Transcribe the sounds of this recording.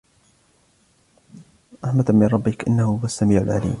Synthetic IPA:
ʔaħmat̪amɪnˤɑbːɪkʔɪ̰nːahʊhʊasːamiːʕa̰lʕa̰lḭːm

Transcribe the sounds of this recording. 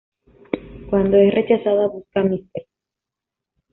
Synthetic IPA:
kwand̪oesre̞t͡ʃasaðaβuskamist̪eɾ

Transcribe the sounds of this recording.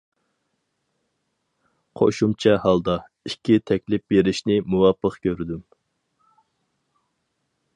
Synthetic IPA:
qʰo̰ʃumt͡ʃʰɛhɑlˠd̪ɑ | ikʲʰːit̪ʰɛkʲlɪp̚beɾɪʃnɪmuwɑpʰːəqkʲøɾɪd̪ym

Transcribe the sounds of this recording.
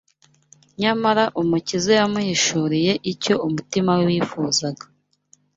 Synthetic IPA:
ɲamaɾaʔumucizejamuhiʃuɾije̞ʔico̞umutimawewiːfuːzaɡḁ

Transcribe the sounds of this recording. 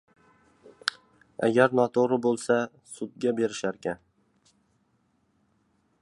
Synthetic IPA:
a̰ɡʲaɾnɒt̪ʰoɾɪbolˠsa | sʊt̪̚ɡʲabe̞ɾɪʃaɾkʲan

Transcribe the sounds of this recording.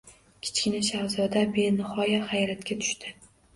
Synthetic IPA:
kʲʰɪ̥t͡ʃkʲɪnaʃahzɒd̪abenɪhɒjahajɾat̪kʲat̪ʰʊ̥ʃt̪ɪ

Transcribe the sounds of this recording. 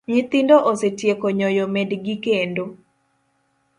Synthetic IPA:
ɲit̪indoʔosetjekoɲɔjomedɡikendo

